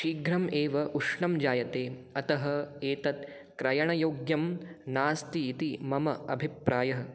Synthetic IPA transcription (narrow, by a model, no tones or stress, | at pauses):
ʃiːɡɾɐmeːʋɐʔuʂɳɐmd͡ʒaːjɐt̪eːɐt̪ɐɦɐ̆eːt̪ɐt̪ | kɾɐjɐɳɐjoːɡjɐmnaːst̪iːt̪imɐmɐɐ̰bʱipɾaːjɐɦɐ̆